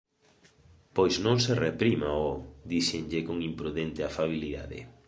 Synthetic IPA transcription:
pojznõŋserepɾimaod̪iʃeŋʎɪkoŋimpɾuðɛnt̪ɪafaβ̞iliða̰ðɪ̰

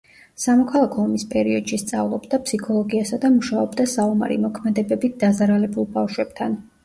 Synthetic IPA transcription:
samɔkʰalˠakʰɔːmispʼɛɾiɔd̪̥ʃist̪sʼa̰vlˠɔbd̪apʰsikʰɔlˠɔɡiasad̪amuʃaɔbd̪asauma̰ɾḭmɔkʰmɛd̪ɛbɛbit̪̚ʰd̪̥azaɾalɛbulˠbafʃwɛb̥̚t̪ʰan

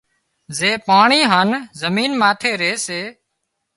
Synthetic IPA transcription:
zeːpaːɳiːɦaːnzəmiːnmaːt̪ʰeːɾeːseː

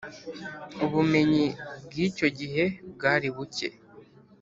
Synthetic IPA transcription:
uβume̞ɲibɡiːco̞ɟiɦe̞bɡaːɾiβuce̞̰

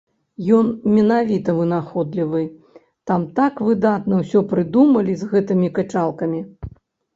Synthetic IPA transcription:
jɔnmʲɛnavʲit̪ɐvɨnaxɔd̪lʲivɨ | t̪amt̪akvɨd̪at̪nɐwsʲɔpɾɨd̪umɐlʲizɣɛt̪ɨmʲikɐt͡ʂalˠkɐmʲi

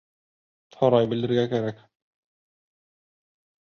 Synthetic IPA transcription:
sɒɾɑjbɘ̆ld̪ɘ̆ɾɡækæɾæk

